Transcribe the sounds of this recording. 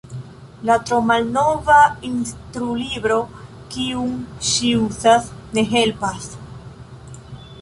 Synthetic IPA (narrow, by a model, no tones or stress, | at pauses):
latɾo̞malno̞vainst̪ɾulibɾo̞ | kiuŋʃiuzasne̞ɦe̞lpas